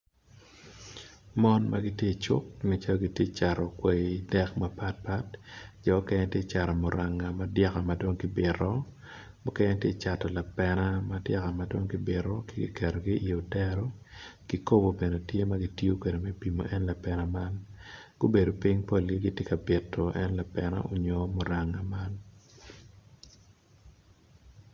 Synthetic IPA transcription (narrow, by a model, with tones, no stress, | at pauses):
mɔ˦nma˦ɡɪ˦tje˦˨t͡ʃʊ̰˦k̚nɛ˨t͡ʃa˦lɔ˦ɡi˦tje˦t͡ʃa˨ɾɔ˨kwɛ˨dɛ˦kma˦pa˦t̚pa˦td͡ʒɔ˨˦kɛ˦ɲɛ˦tje˦t͡ʃa˨ɾɔ˨mɔ˨ɾa˨ŋːa˨madja˦ka˨ma˦do˦ŋkɪ˦bɪ˨ɾɔ˦ | mʊ˦kɛ˦ɲɛ˦tje˦t͡ʃa˨tɔ˨la˨pɛ˦na˦ma˦dja˦ka˨ma˦do˦ŋki˦bɪ˨ɾɔ˦ki˦ɡḭ˦kʰɛ˨ɾo˨ɡi˦i˨o˨tɛ˦ɾɔ˦ɡ̥i˦ko˦bo˨be˨ne˨tje˦ma˦ɡi˦ti˦o˦kwe˨de˨mɛ˦pi˨mo̰˨ʔɛ˦nla˨pɛ˨na˦ma˦nɡ̥o˦be˨do˨pi˦ŋpo˦lɡi˦ɡi˦tje˦ka˨bɪ˨tʰːɔ˨ʔɛ˦nla˨pɛ˨na̰˦ʔo˦ɲo˦mo˨ɾa˨ŋːa˨ma˦n